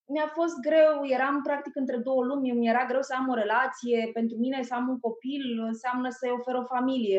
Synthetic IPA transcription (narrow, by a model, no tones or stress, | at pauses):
miafo̞st̪̚ɡɾe̞wje̞ɾampɾak̚t̪ikɨnt̪ɾe̞d̪o̞wəlumʲmje̞ɾaɡɾe̞wsəamo̞ɾe̞lat̪sije̞pe̞nt̪ɾumine̞səamuŋko̞pilɨnseamnəsəo̞fe̞ɾo̞familije̞